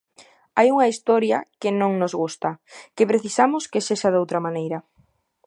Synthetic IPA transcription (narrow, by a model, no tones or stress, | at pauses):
ajuŋɐist̪ɔɾjɐ̰kɪnõŋnozɣust̪ɐkepɾeθisamʊskeseʃaðowt̪ɾɐmanejɾɐ